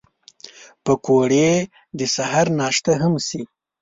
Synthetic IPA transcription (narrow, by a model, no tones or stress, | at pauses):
pəkoɽe | d̪əsaɦaɾnɑːʃt̪aɦamsi